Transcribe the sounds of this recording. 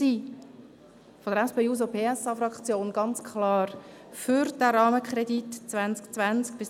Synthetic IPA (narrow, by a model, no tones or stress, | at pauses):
iː | fodəɾɛspeːuːz̬opʰeːɛsɑfɾɑkt͡sjoːnɡ̥ɑnt͡skχlɑːɾ | fʏɾd̥ɛɾɑːməkχɾɛditt͡svænt͡skt͡svænt͡sk̚b̥ɪs